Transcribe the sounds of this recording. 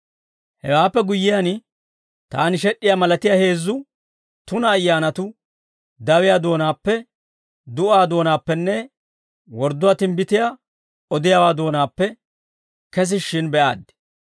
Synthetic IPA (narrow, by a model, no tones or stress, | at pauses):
hɛwaːpːɛɡʊjːɪjan | t̪a̰ːnɪʃ̬ɛɗːɪjaːmɐlɐt̪ɪjaːhe̞ːzːʊ | t̪ʊnɐːjːaːnɐt̪ʊ | d̪ɐwɪjaːd̪o̞ːnaːpːɛ | d̪ʊaːd̪o̞ːnaːpːɛnːɛ | wɔɾd̪ʊwaːt̪ɪmbɪt̪ɪja | ɔd̪ɪjawaːd̪o̞ːnaːpːɛ | kɛs̬ɪʃːɪnbɛʔa̰ːd̪ːɪ̥